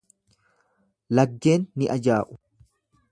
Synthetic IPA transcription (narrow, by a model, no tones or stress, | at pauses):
lɐɡːe̞ːnːɪʔɐd͡ʒaːʔʊ̥